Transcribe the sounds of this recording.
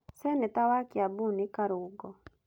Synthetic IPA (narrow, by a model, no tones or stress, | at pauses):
sɛnɛt̪awakjabunikaɾʊɡɔ